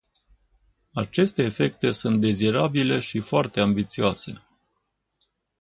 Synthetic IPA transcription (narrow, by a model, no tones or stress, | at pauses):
at͡ʃe̞st̪e̞ːfe̞kt̪e̞sunt̪̚d̪e̞ziɾabile̞ʃifoart̪e̞ambit̪sioase̞